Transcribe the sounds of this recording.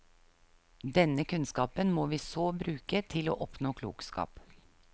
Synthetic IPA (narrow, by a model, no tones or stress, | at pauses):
d̪ɛnəkʉnskɑːpənmoːʋiːsoːbɾʉːkət̪ʰɪlo̰ːʔɔpnoːkʰlṵːkskɑ̰ːp